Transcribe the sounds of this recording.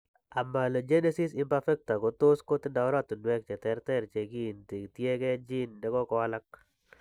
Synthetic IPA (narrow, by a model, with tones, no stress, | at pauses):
a˨ma˨lo˨d͡ʒe˦ne˦si˦sɪ˦mpafɛ˦k̚t̪a˨ɡo˨t̪o˦sko˦t̪da˨ʊ˦ɾa˦t̪dwɛ˦k̚t͡ʃɛ˨t̪ɛ˨ɾt̪ɛ˦ɾt͡ʃe˨ɡi˦˨nt̪i˨ɡt̪je˦ɡɛ˦d͡ʒi˦ndɛ˨˦ɡɔ˦kɔ˦a˦la˦k̚